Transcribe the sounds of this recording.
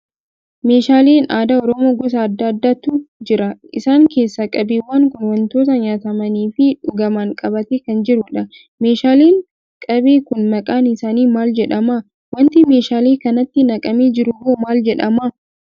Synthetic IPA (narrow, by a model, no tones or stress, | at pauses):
me̞ːʃaːleːnaːd̪aːɔɾɔmo̞ːɡɔs̬ɐːd̪ːɐːd̪ːaːt̪ʊd͡ʒɪɾɐɪsaːŋke̞ːsːɐkʼɐbeːwːaːŋkʊnwɐnt̪o̞ːt̪ɐɲaːt̪ɐmɐniːfɪᶑʊɡɐmaŋkʼɐbɐt̪ekɐnd͡ʒɪɾʊᶑɐ | me̞ːʃaːleːn | kʼɐbeːkʊnmɐkʼaːnɪsaːniːmaːld͡ʒɛᶑɐma | wɐnt̪ɪme̞ːʃaːleːkɐnɐt̪ːɪnɐkʼɐmeːd͡ʒɪɾʊɡoːmaːld͡ʒɛᶑɐma